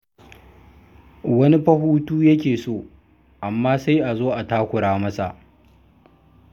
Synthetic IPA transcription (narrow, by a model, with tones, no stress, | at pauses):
wɐ˦ni˦ɸɐ˦ɦuː˦tuː˦jɐ˦kʲeː˨soː˦˨ | ʔa˨mːaː˦sa˦jʔa˨zoː˦ʔa˨taː˦kʷʊ˨ɽaː˦mɐ˦sa˨ʔ